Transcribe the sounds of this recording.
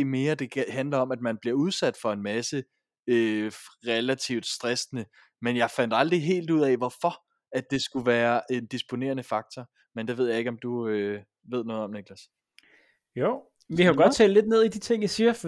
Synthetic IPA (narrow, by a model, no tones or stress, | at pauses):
me̝ːɐd̥e̝hænlɐɒ̽mæd̥mænb̥liɐuð̞ˠsæd̥fɒ̽e̝nmæsə | øʁɛlæt͡sʰiʊd̥sd̥ʁɛsnə | menjɑ̈ɪfæn̰d̥ɑ̈ld̥ʁiɦe̝̰ːld̥uð̰ˠɛʋɒfɒ̽ | æd̥̚e̝sɡ̥uʋæːɐʔe̝nd̥isb̥o̝ne̝̰ɐnəfɑ̈ɡ̥̚t͡sʰɒ | mend̥e̝ʋe̝ð̞̰ˠjɑ̈e̝ɡ̥ɒ̽md̥uø | ʋe̝ð̞̰ˠnɔ̽ːð̩ˠɒ̽mneɡ̥læs | jo | ikæɡɒ̽d̥̚t͡sʰɛ̰lle̝d̥ne̝ð̞̰ˠid̥it͡sʰe̝ŋ̰jasiːɐ